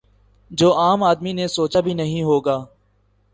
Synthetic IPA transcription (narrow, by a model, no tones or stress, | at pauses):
d͡ʒoːaːmaːd̪miːnesoːt͡ʃaːbʱiːnəɦĩːɦoːɡaː